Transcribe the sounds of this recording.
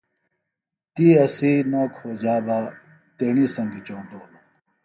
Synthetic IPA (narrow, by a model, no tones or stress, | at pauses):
t̪iːɐsiːnoːkʰhoːd͡ʑaːba | t̪eɳiːsɐ̃ŋɡit͡ɕoːɖ̪oː